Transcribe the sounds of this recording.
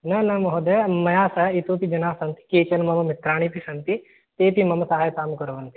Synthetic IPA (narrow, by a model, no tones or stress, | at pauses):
nɐnɐmɐɦod̪ɐmɐjaːsɐit̪oːpid͡ʒɐnaːsɐnt̪i̥keːt͡ʃɐnmɐmɐmit̪ɾaːɽ̃ipisɐnt̪i | t̪eːpimɐmɐsaːɦajɐt̪aːmɐkɐɾɐʋɐnt̪i̥